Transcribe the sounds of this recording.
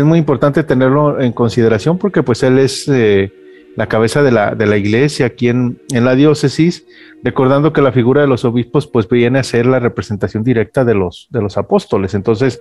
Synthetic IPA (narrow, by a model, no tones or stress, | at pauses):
ezmujimpo̞ɾt̪ant̪e̞t̪e̞ne̞ɾlo̞e̞ŋko̞nsiðe̞ɾasjo̞mpo̞ɾke̞pwe̞se̞le̞se | lakaβ̞e̞saðe̞la̰ðe̞laiɣle̞sjaːkie̞nenlaðjo̞se̞sis | re̞ko̞ɾðand̪o̞ke̞lafiɣuɾaðe̞lo̞so̞βispo̞spwe̞zbje̞nease̞ɾlare̞pɾe̞se̞nt̪asjo̞nd̪iɾe̞k̚t̪aðe̞lo̞sðe̞lo̞sapo̞st̪o̞le̞se̞nt̪o̞nse̞s